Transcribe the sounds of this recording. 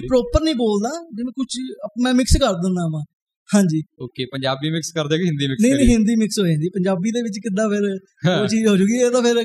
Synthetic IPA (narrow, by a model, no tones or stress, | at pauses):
pɾɔːpəɾnəĩːboːld̪aːd͡ʒɪmɛ̃ːkʊt͡ʃʰmɛ̃ːmɪkskəɾd̪ɪ̃nd̪aːʋãː | hãːɲd͡ʒiːoːkeːpəɲd͡ʒaːbiːmɪkskəɾd̪eːkɦɪ̃nd̪iːmɪknəĩːnə̃ːɦɪ̃nd̪iːmɪksɦoːãːd̪iːpəɲd͡ʒaːbiːd̪eːʋɪt͡ʃkɪd̪ãːpʰɪɾ | oːt͡ʃiːzɦoːd͡ʒʊɡiːeːd̪aːpʰɪɾ